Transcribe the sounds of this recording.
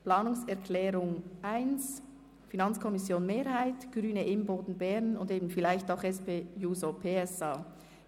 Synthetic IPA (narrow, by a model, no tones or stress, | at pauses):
pl̥aːnʊŋsɛɐʁkʰlɛːɾʊŋʔaɪns | finɑnt͡skʰɔmɪsjoːnmeːɾhaɪtɡ̥ʁyːnəʔɪmboːdn̩bɛʁnʊndeːbn̩fɪlaɪçtaʊxɛspeːjuːzopʰeːɛsaː